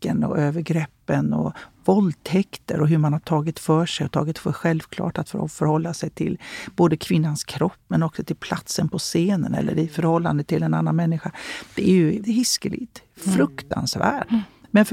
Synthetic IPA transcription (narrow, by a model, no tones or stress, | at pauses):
ənɔ̰ʔøːvəɾɡɾɛpːənɔ̰vɔld̪t̪ʰɛkt̪ə̰ɾɔɦɵɾmanhaʈʰɑːɡɪt̪fœːʂɛjɔt̪ʰɑ̰ːɡɪt̪fœɧɛlvkʰlɑ̰ːʈat̪ffœɾhɔlːasɛjt̪ʰɪlb̥oːd̪əkʰvɪnːanskʰɾɔpːmɛnɔksɔt̪ʰɪlpʰlat̪sənpʰɔseːnə̰nɛ̰lːə̰ɾɪfœɾhɔlːand̪ət̪ʰːɪlɛnanːanmɛnːɪɧad̪̥ɛæɾjɵɦɪskəlɪ̰t̪fɾɵkt̪a̰nsvæ̰ːɖmɛnf